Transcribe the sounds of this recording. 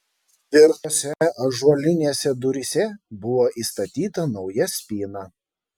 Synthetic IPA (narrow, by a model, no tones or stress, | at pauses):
ɪɾoːsʲɛɐʒuɔlʲɪnʲeːsʲɛd̪ʊɾʲɪsʲɛbʊʋoːʔiːst̪ɐt̪ʲiːt̪ɐnɒʊjɛsʲpʲiːnɑ